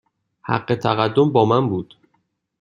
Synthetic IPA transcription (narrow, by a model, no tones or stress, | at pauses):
hæ̰ɢːe̞t̪ʰæɣæd̪ːo̞mbɒːmænbuːd̪̥